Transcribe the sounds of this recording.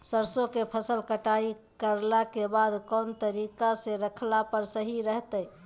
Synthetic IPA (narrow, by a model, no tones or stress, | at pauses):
səɾsokepʰəsəlkəʈai | kəɾlakebad̪kɔnt̪əɾikasẽɾəkʰlapəɾsəɦiɾəɦt̪əj